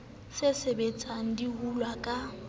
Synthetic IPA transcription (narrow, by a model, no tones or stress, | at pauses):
sɪsebet͡sʼaŋ̩dihulwakʼa